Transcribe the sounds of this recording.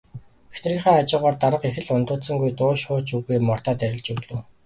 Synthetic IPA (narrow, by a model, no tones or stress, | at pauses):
exnriːχæːat͡ɕɪʊ̆ːʁaːrt̪aɾə̆qexɘ̆ɮʊnt̪ʊːt̪sə̆ŋɡujt̪ʊːʃχʊːt͡ɕuɣeːmɔr̥t̪aːt̪æɾʲɪ̆ɮt͡ɕɵɣɮŭː